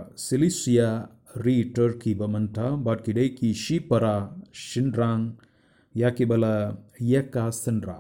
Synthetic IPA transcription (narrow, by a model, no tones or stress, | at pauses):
silisija | ɾiːʈɐɾkibɐmɐnt̪ʰabaʈ̚kiɖejkiʃipɐɾaːʃinɖɾaːŋ | jakibɐlɐjɐkaːsɐnɖɾa̰ː